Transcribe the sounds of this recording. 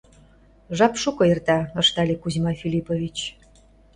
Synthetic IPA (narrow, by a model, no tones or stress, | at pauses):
ʒɑpʃukoert̪ɑɤ̆ʃt̪ɑlʲekuzʲmɑfilʲipovʲit͡ɕ